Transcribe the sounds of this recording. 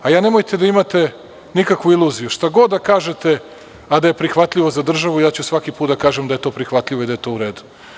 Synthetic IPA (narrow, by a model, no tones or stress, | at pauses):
ajaːne̞mojt̪e̞d̪aimat̪e̞ | nikakʋuilˠuːzijuʃt̪aɡo̞d̪d̪ːakaːʒe̞t̪e̞ | ad̪aje̞pɾixʋat̪ʎʲiʋo̞zad̪r̩ʒaʋuijaːt͡ɕusʋakipuːt̪̚d̪akaːʒemd̪ajet̪o̞ːpɾixʋat̪ʎʲiʋo̞id̪ajet̪o̞ːuɾeːd̪u̥